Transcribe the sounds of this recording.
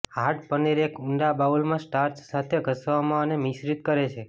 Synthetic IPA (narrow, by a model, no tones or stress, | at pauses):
aʈpəniɾekuɳɖabaʋulmãsʈaɾt͡ʃsat̪ʰeɡʱəsʋamãənemisɾit̪kəɾet͡ʃʰe